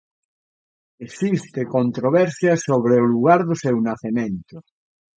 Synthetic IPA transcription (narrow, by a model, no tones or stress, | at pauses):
esist̪ekont̪ɾoβɛɾsjasoβɾeoluɣ̞aɾðosewnaθemẽnt̪o